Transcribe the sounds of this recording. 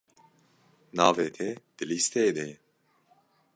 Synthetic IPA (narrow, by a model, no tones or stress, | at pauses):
naːvet̪ʰed̪̥ɪlist̪eːd̪e